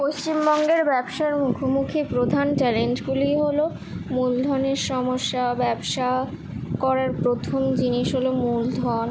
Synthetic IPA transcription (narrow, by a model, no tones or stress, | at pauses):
post͡ɕimbɔŋɡeɾbɛbʃaeɾmukʰomukʰipɾod̪ʱanʈɛleɳʈɡulijɦolo | muld̪ʱɔneɾʃɔmoʃːabɛbʃa | kɔɾaɾpɾot̪ʰomd͡ʑiniʃɦolomuld̪ʱɔn